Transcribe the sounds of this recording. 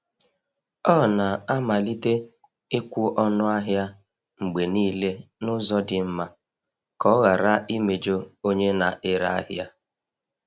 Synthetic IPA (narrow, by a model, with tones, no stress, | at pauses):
ɔ˦na˨a˦ma˨li˦te˦ | e˦kʷu˦ʔɔ˦nʊ˦a˦ɦja˦ | ŋ͡m̩˨ɡ͡be˨niː˦le˦nʊ˦zɔ˦dɪ˨m̩˦ma˦ | kɔ˨˦ɣa˨ɾa˦i˦me˨d͡ʒo˦o˦ɲe˦na˨ʔɪ˦ɾa̰˦˨a̰˦ɦja˦